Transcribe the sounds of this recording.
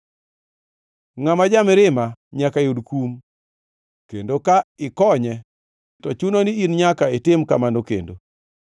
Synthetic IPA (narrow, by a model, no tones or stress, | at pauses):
ŋamad͡ʒamɪɾɪmaɲakajudkum | kendokaɪkɔɲɛ | ttɔt͡ʃunoniinɲakaetɪmka̰manokḛndo̰